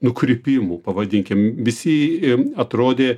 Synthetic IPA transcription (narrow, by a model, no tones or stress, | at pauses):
nʊkɾʲɪpʲɪmupɐʋɐd̪ʲɪŋʲkʲɪmʋʲɪsʲɪɐt̪ɾoːd̪ʲeː